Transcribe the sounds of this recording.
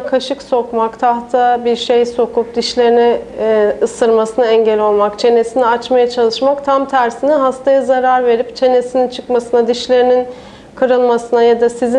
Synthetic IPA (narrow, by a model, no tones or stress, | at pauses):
kʰaʃɯkso̞kmakt̪ʰaht̪ʰabiɾʃejso̞kʰup̚d̪iʃlʲe̞ɾinɛ | ɯsɯɾmasɯnaɛɲɟɛlʲo̞lˠmakt͡ʃʰe̞ne̞siniat͡ʃmajat͡ʃʰalˠɯʃmakt̪ʰamt̪ʰæɾsiniɦast̪ʰajazaɾaɾve̞ɾipt͡ʃʰe̞ne̞sinint͡ʃʰɯkmasɯnad̪iʃlʲe̞ɾinin | kʰɯɾɯlˠmasɯnajad̪asizi